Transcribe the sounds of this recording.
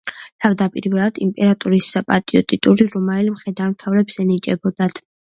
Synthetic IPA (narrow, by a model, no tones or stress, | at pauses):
t̪ʰavd̪apʼiɾvɛlˠad̪̥impʼɛɾat̪ʼuɾisapʼat̪ʼiɔt̪ʼit̪ʼuɾiɾɔmalimχɾɛd̪aɾmt̪ʰavɾɛbsɛnit͡ʃʼɛbɔd̪at̪ʰ